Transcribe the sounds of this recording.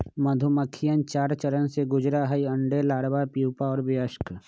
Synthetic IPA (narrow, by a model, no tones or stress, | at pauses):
məd̪ʱʊməkʰːɪjənt͡ʃaːɾt͡ʃəɾənseɡʊd͡ʒɾaɦəiɐ̃ɳɖelaːɽbapjuːpaɔːɾbɪəʃk